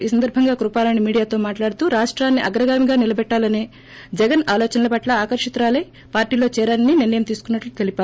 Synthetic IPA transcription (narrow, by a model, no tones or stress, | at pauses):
iːsɐnd̪ɐɾbʱɐŋɡaːkɾupaːlɐnimiːɽijaːt̪o̞ːmaːʈlaːɽut̪uːɾaːʂʈɾaːnːiʔɐɡɾɐɡaːmiɡaːnilɐbɛʈːaːlɐne̞ː | d͡ʒɛɡɐnaːlɔːt͡ʃɐnɐlɐpɐʈlɐaːkɐɾʂit̪ɾaːleː | paːɾʈiːlo̞ːt͡ʃɛːɾaːnɐnininːɐjɐmt̪iːsu̥kunːɐʈlut̪elipaː